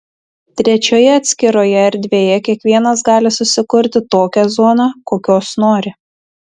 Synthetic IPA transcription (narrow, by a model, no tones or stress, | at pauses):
t̪ʲɾʲɛt͡ʃʲoːjɛɐt̪ʲsʲkʲɪɾoːjɛɛɾʲd̪ʲʋʲeːjɛkʲiɛkʋʲiɛnɐsɡɑːlʲɪsʊsʲɪkʊɾʲt̪ʲɪt̪oːkʲɛzoːnɑkoːkʲoːsnoːɾʲɪ